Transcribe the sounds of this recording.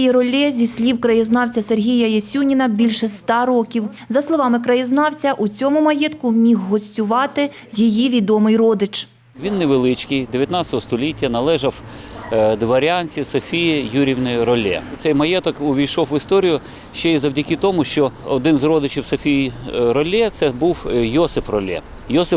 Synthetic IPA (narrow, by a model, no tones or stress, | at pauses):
jɛɾɔlʲːɛzʲisʲlʲiwkɾɐjɪznɑwt͡sʲɐserɦʲijɐjɐsʲunʲinɐbʲilʲʃɛst̪ɑɾɔkʲiw | zɐslˠɔʋɑmɪkɾɐjɪznɑwt͡sʲɐʔut͡sʲɔmʊmɐjɛt̪kʊmʲixɦɔsʲtʲʊʋɑt̪ɪ | jijiʋʲid̪ɔmɪjrɔd̪ɪt͡ʃ | ʋʲinːeʋelˠɪt͡ʃkɨjd̪eʋʲjɐt̪nɑt͡sʲɐt̪ɔɦɔst̪ɔlʲitʲːɐnɐlˠɛʒɐw | d̪ʋɐɾʲɑnʲsʲisɔfʲijijuɾʲiwnɔjʊɾɔlʲːɛ̰t̪sɛjmɐjɛt̪ɔkʊʋʲijʃɔwʋɪst̪ɔɾʲijʊ | ʃt͡ʃɛizɐwdʲɐkɪt̪ɔmʊʃt͡ʃɔɔd̪ɪnzrɔd̪ɪt͡ʃiwsɔfʲijiɾɔlʲːɛt̪sɛbuwjɔsɪfrɔlʲɛ̰ | jɔsɪp